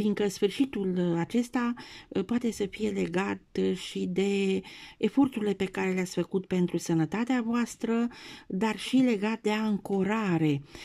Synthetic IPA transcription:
fiŋkəsfɨrʃit̪ulat͡ʃe̞st̪apoat̪e̞səfije̞le̞ɡat̪ʃid̪e̞ː | fo̞rt̪uɾile̞pe̞kaɾe̞leatsʲfəkut̪̚pe̞nt̪ɾusənət̪at̪eavoast̪ɾəd̪arʃile̞ɡat̪̚d̪e̞aŋko̞ɾaɾe̞

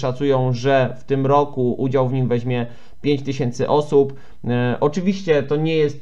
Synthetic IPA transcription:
ʂat̪sujɔ̃w̃ʐɛft̪ɘmɾɔkuʔud͡ʑawvɲimvɛʑmʲjɛ | pʲjeɲt͡ɕt̪ɘɕɛnt̪sɘʔɔsup | ʔɔt͡ʂɘvʲiɕt͡ɕɛt̪ɔɲɛjɛst̪

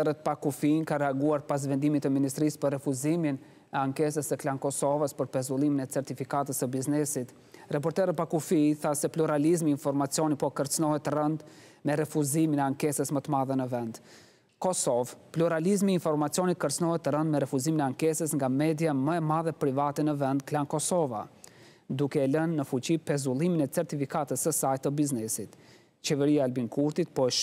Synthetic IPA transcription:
ɛɾət̪̚pakufinkaɾɛaɡuaɾpas̬vɛnd̪imit̪əminist̪ɾispərːɛfuzimin | ɛaŋkɛs̬əsəklankɔsɔvəspəɾpɛzulˠiminɛt͡sɛɾt̪ifikat̪əsəbiznɛsit̪ | rap̬ɔɾt̪ɛɾət̪̚pakufiθasɛpluɾalizmiːnfɔɾmat͡siɔnipɔkəɾt͡snɔɦɛt̪ərənd̪ | mɛɾɛfuziminɛaŋkɛsəsmət̪əmaðɛnəvɛnd̪ | kɔsɔvpluɾalizmiːɱfɔɾmat͡sjɔnikəɾt͡snɔhɛt̪ːərənd̪mɛɾɛfuziminɛaŋkɛsəsŋɡamɛd̪jaməɛmaðɛpɾivat̪ɛnəvɛnd̪klankɔsɔva̰ | d̪ukɛːlənːəfut͡ɕipɛzulˠiminɛt͡sɛɾt̪ifikat̪əsəsajt̪ːəbiznɛsit̪ | t͡ɕɛvɛɾiaːlbinkuɾt̪it̪pɔʃ

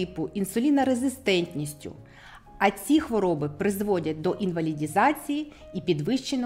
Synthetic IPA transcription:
pʊʔinsʊlʲinɐɾezɪst̪ɛnʲtʲnʲisʲtʲʊ̰ | ɐt͡sʲixʋɔɾɔbɪpɾɪzʋɔdʲɐt̚ʲd̪ɔʔinʋɐlʲidʲizɑt͡sʲiji | ipʲid̪ʋɪʃt͡ʃen

